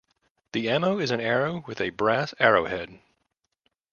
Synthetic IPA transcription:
ðiɛmoʊɨzɨ̃nɛɹoʊwɨðɨbɹæsɛɹoʊhɛd̥̚

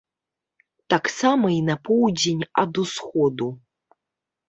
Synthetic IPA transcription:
t̪aksamɐinapowdʲenʲad̪usxod̪u

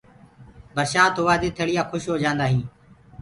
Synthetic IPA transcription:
bəɾʃaːt̪oːʋaːd̪eːt̪ʰeːɽɪjaːkʰʊʃɦoːd͡ʒãːnd̪aːɦĩː

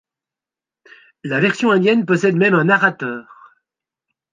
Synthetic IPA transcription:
lavɛʁsjɔ̃ɛ̃d̪jɛnpɔsɛd̪mɛmɛ̃naʁat̪œːʁ

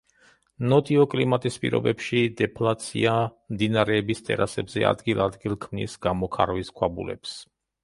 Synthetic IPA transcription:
nɔt̪ʼiɔkʼlimat̪ʼispʼḭɾɔ̰bɛpʃid̪ɛpʰlat̪sʰḭamd̪inaɾɛːbist̪ʼɛ̰ɾasɛbzɛa̰d̪ɡilˠad̪ɡilˠkʰmnisɡamɔkʰa̰ɾviskʰwabṵlɛ̰ps

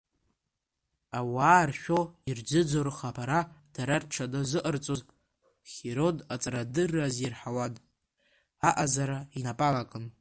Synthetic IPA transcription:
awaːrʃᶣoird͡ʒɨd͡zo̞rχapʰaɾad̥aɾarʈ͡ʂʰadazɨʔərt͡sʼoz | χʲeɾo̞dat͡sʼɾadɨrːazirħawadʼ | aʔazaɾainapʼalakʼɨn

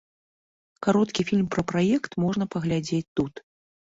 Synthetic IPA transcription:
kaɾɔt̪kʲifʲilʲmpɾɐpɾajɛkt̪mɔʐnɐpɐɣlʲad͡zʲet͡sʲt̪ut̪

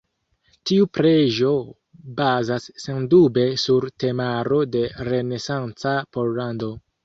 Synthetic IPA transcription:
tiupɾe̞ʒo̞ | bazasːe̞ndube̞suɾte̞maɾo̞de̞ɾe̞ne̞sant͡sapo̞ɾlando̞

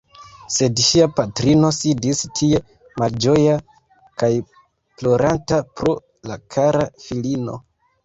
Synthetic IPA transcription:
se̞dʃiapatɾino̞sidistʰie̞ | mald͡ʒo̞ja | kaj | plo̞ɾantapɾo̞ | la̰kʰaɾafilino̞̰

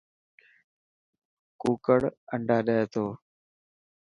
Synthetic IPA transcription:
kuːkəɽəɳɖʱaːɗeeːt̪ʰoː

